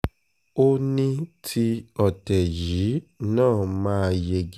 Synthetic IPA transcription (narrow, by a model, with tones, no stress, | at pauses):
o˦nĩ˦tʰi˧ɔ˨tɛ˨ji˨˦nãː˦˨mãː˦˧je˧ɡ